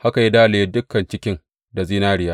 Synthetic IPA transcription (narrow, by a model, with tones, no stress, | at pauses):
ha˦ka˨ji˦daː˦le˨i˦dʊ˦kːɐ˨nt͡ʃɪ˦kʲɪ˦ŋ | da˨ziː˦naː˦ɽɪ˨jaː˦ʔ